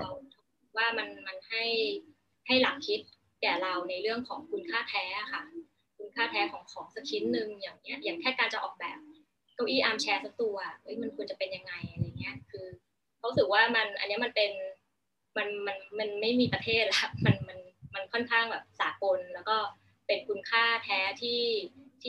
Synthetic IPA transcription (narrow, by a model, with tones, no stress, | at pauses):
kʰa˦˥˩kʰa˦˥w̚waː˥˩ma˧nma˧nha˥˩j | ha˥˩jlaː˨˩k̚kʰi˦˥t̪̚ | kɛː˨˩ɾa˧wna˧jɾɯ˥˩əŋkʰɔː˩˦ŋkʰu˧nkʰaː˥˩t̪ʰɛː˦˥a˩xʰa˥˩ | kʰu˧nkʰaː˥˩t̪ʰɛː˦˥kʰɔː˩˦ŋkʰɔː˩˦ŋsa˧kʰi˦˥t̪̚nɯ˧ŋjaː˨˩ŋni˦˥ɐjaː˨˩ŋk̪ʰɛː˥˩kaː˧nt͡ɕa˨˩ʔɔː˨˩k̚bɛː˨˩p̚ | ka˥˩wʔiː˥˩ʔaː˧mt͡ɕʰɛː˧sa˦˥k̚t̪u˧ɐ˨˩ʔɤ˦˥jma˧nkʰu˧nt͡ɕa˨˩pe˧nja˧ŋːa˧jʔa˧a˧ja˨˩ŋːi˦˥ɐkʰɯː˧ | kʰwu˦˥sɯ˨˩k̚waː˥˩ma˧nʔa˧nːi˦˥ma˧npe˧n | ma˧nma˧nma˧nma˥˩jmiː˧pɾa˧t̪ʰeː˥˩t̪̚la˦˩kʰa˦˥p̚ma˧nma˧nma˧nkʰɔ˥˩nkʰaː˥˩ŋbɛː˨˩p̚saː˨˩˦ko˧nlɛː˦˥wkɔː˥˩ | pe˧nkʰu˧nkʰaː˥˩t̪ʰɛː˦˥t̪ʰiː˥˩t̪ʰiː˥˩